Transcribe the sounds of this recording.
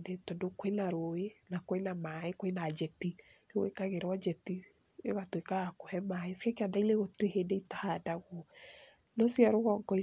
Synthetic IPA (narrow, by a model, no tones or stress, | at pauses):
ðetɔdokenaɾoenakoenamaekoenad͡ʒɛtiɾeɣwḛkaɣeɾwad͡ʒɛti | eɣatwekaɣakohɛmaesikakeadaileɣotiɾehedeitahadaɣɔ | nɔsjaɾoɣɔŋɡɔi